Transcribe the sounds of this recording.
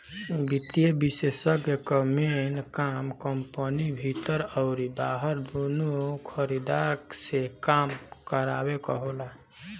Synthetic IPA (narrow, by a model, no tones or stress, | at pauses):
bit̪ijebisesəkjəkəmenkamkəmpənibʱit̪əɾɔʊɾibaɦəɾd̪onukʰəɾid̪aksekamkəɾa̰bekɔɦola